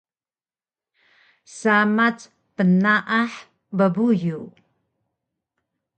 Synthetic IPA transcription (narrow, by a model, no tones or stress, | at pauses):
samat͡s | pənaʔaħ | bəbuju